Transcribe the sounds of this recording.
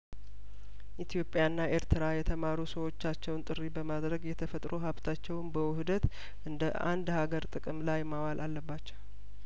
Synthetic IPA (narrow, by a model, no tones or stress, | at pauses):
ʔit̪ʰjo̞pʼːjanːaʔe̞ɾt̪ʰɨɾajɛt̪ʰəmaɾusəwo̞t͡ʃːat͡ʃːɛwnt̪ʼɨrːibəmad̪ɾəɡjɛt̪ʰəfət̪ʼɾoɦaβt̪ʰat͡ʃːɛwnbəwʊhɨd̪ət̪ | ʔɨnd̪əʔa̰nd̪haɡəɾt̪ʼɨkʼɨmlajmawalʔalːəbːat͡ʃːɛw